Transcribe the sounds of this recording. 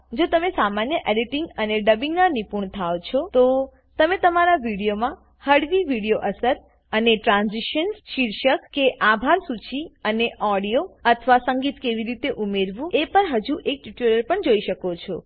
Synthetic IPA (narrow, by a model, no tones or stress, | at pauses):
d͡ʒot̪əmesamanjəʔeɖiʈiŋɡəneɖəbĩŋɡnanipuɳt̪ʰaot͡ʃʰɔt̪o | t̪əmet̪əmaɾaʋiɽijomã | həɽʋiʋiɽijoʔəsəɾ | əneʈɾãnziʃənʃiɾʃəkkeʔabʱaɾsut͡ʃiəneʔɔɽijoət̪ʰəʋasəŋɡit̪keʋiɾit̪eʔumeɾʋũepəɳɦəd͡ʒuʔek̚ʈiʈeləɾpəɳd͡ʒoiʃəkot͡ʃʰɔ